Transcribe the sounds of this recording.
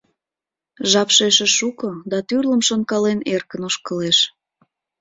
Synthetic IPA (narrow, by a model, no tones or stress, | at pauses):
ʒɑpʃeʃeʃukod̪ɑt̪yrləmʃonkɑlenerkənoʃkəleʃ